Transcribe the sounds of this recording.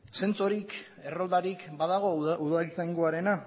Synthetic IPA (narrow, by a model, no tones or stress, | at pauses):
se̞nt͡soɾik | e̞ro̞ld̪aɾikbaðaɣ̞o̞uðalisajŋɡo̞aɾe̞na